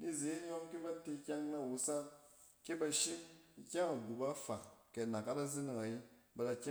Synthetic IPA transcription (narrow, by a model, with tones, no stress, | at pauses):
ni˦ze˨˦i˦ɲo˦ŋki˦ba˦ti˧˦kʲa˦ŋna˦˨wu˧sa˦ | ke˦ba˧ʃi˦i˨kʲa˦ŋa˨ɡu˨ba˦fa˨kke˨na˨ka˦da˦zi˦ni˨ŋa˨ji˦ba˧la˨˧kʲa˦